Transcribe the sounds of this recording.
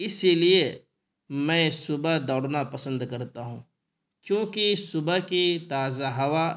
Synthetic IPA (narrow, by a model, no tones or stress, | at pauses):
ɪsilie | mɛ̃ːsʊbad̪ɔːɽnapɐsə̃nd̪kɐɾt̪aɦũː | kjõːkisʊbakit̪aːzaɦɐʋa